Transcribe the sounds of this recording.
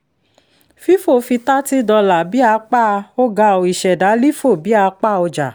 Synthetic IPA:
fi˦fo˦˨˧fi˧ta˦ti˦dɔ˧la˨bi˨˦a˧˦k͡pa˦˧o˦ɡa˧o˨i˨ʃɛ˨da˨˦li˦fo˦˨bi˨˦a˧˦k͡pa˦˨o˧d͡ʒa˨

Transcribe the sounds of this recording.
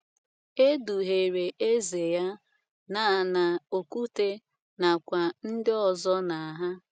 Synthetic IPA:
e˦du˨ɦe˨ɾe˨ʔe˦ze˨ja˦ | na˨na˨o˨ku˦te˦ | na˨kʷa˨n̩˦dɪ˦ɔ˨zɔ˦na˨ɦa˦

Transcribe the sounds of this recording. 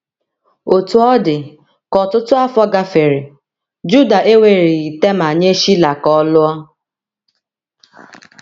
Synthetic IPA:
o˨tu˨ɔ˦dɪ˨ | kɔ˨tʊ˦tʊ˦a˦fɔ˦ɡa˦fe˨ɾi˨ | d͡ʒu˦da˨ʔe˦we˨ɾi˨i˨te˦ma˨ɲe˦ʃi˦la˨kɔ˦lʊ˦ɔ˦

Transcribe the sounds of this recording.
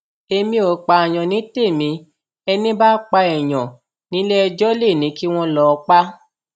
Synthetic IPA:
e˧mĩ˦o˧k͡pa˧˨j̃ɔ̃˨nĩ˨˦te˦˨mĩ˧˦ | ɛ˧nĩ˦ba˦k͡pa˧ɛ˨j̃ɔ̃˨ | nĩ˨˦lɛ˦˧d͡ʒɔ˦le˦˨nĩ˨˦ki˦w̃ɔ̃˦lɔ˧˦˧k͡pa˦

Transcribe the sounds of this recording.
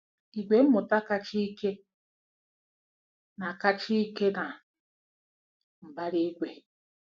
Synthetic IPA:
i˨ɡʷe˨˦m̩˦mo˨ta˦ka˦t͡ʃi˦i˦ke˦ | na˨ka˦t͡ʃi˦i˦ke˦na˨ | m̩˨ba˦ɾi˦i˦ɡʷe˨

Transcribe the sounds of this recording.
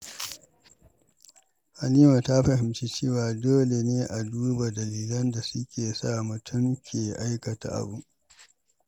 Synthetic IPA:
ha˨niː˦wa˨ta˦ɸɐ˨hɪ˨mt͡ʃi˦t͡ʃeː˦˨waː˨doː˦le˨neː˦ʔa˨duː˦ba˨dɐ˨liː˨lɐ˦nda˨sʊ˦kʲeː˨sa˦˨mʊ˨tʰʊ˦ŋkʲʰeː˨ʔa˦jkɐ˨ta̰˨ʔa̰˨bu˦

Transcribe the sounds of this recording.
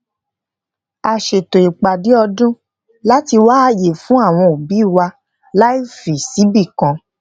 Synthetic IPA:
a˨ʃe˨to˨i˨k͡pa˨di˨˦ɔ˧dũ˦ | la˦ti˧waː˦je˨fũ˨˦a˦˨w̃ɔ̃˧o˨bi˨˦˨wa˧ | la˦i˦fi˨si˨˦bi˦˨kã˨˦

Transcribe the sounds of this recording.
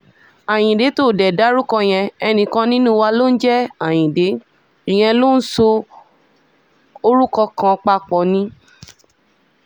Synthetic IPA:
a˨j̃ĩ˨de˨˦to˦˨dɛ˨da˨˦ɾu˦kɔ˧j̃ɛ̃˧ɛ˧nĩ˧kã˧nĩ˦nũ˦wa˧lo˦n̩˦d͡ʒɛ˦a˨j̃ĩ˨de˨˦ | i˨j̃ɛ̃˧lo˦n̩˦so˧ | o˧ɾu˦kɔ˧kã˧k͡pa˧k͡pɔ̃˨nĩ˦

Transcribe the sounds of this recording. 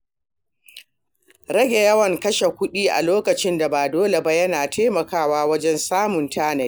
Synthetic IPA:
ɾɐ˦ɡʲe˨jɐ˦wɐ˨ŋkɐ˦ʃe˨kʷʊ˦ɗiː˦ʔa̰˨loː˦kɐ˨t͡ʃɪ˦nda˨baː˨doː˦le˨ba˦jɐ˦naː˨tʰeː˦mɐ˨kaː˦˨waː˦wɐ˦d͡ʒɛ˦nsaː˦mʊ˨ntaː˦na˨˦

